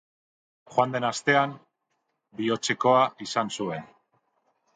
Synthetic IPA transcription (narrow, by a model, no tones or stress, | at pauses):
χwand̪e̞nast̪e̞am | bio̞t͡se̞ko̞aʔisansue̞n